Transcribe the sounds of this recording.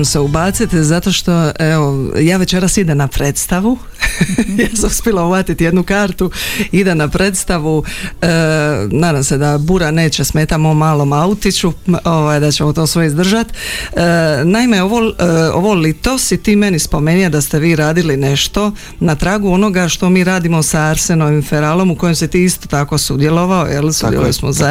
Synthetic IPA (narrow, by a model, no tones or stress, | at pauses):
mseubaːt̪sit̪zat̪o̞ʃt̪o̞eo̞jaːʋe̞t͡ɕe̞ɾasid̪emnapɾe̞ːt̪st̪aʋu | jaːsamuspjelˠaubat̪it̪jed̪nukaːɾt̪uid̪enapɾʔe̞t̪st̪aʋuənaːd̪amse̞d̪abuɾane̞ːt͡ɕesme̞ːt̪amomaːlomaut̪it͡ɕuoʋaːjd̪at͡ɕemot̪o̞ːsʋe̞izd̪r̩ʒat̪ənaimeo̞ʋoo̰ʋo̞lit̪o̞sit̪iːme̞nispo̞meniad̪ast̪eʋiːɾaːd̪iline̞ʃt̪o̞ | nat̪ɾaːɡuono̞ɡaʃt̪o̞miːɾaːd̪imo̞saaɾse̞noʋimfeɾaːlo̞muko̞jemsit̪iːist̪o̞t̪ako̞sud̪jelo̞ʋao̰jḛlsṵdjḛlo̰osmoza